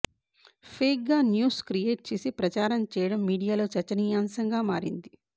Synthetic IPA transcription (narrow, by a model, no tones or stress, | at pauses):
pʰeːk̚ɡaːnjuːskɾijeːʈ̚t͡ʃe̞ːsipɾɐt͡ʃaːɾɐmt͡ʃɛːjɐɽɐmːiːɽijaːlo̞ːt͡ʃɐt͡ʃːɐnijaːmsɐŋɡaːmaːɾḭnd̪i